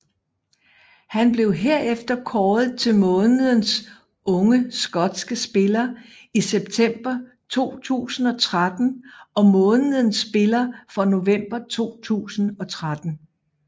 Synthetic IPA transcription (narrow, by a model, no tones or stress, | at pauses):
hænb̥le̝ʊɦeɐ̰efd̥ɐkʰɒːð̩ˠt͡sʰe̝lmɔ̽ːnəð̩ˠəns | ʔɔ̽ŋəsɡ̥ɒ̽d̥sɡ̥əsb̥e̝lɐ | iseb̥̚t͡sʰem̰b̥ɐ | t͡sʰo̝̰ːt͡sʰṵːsn̩ɒ̽t͡sʰʁad̥n̩ɒ̽mɔ̽ːnəð̩ˠən̩sb̥e̝lɐfɒ̽no̝ʋem̰b̥ɐt͡sʰo̝̰ːt͡sʰṵːsn̩ɒ̽t͡sʰʁad̥n̩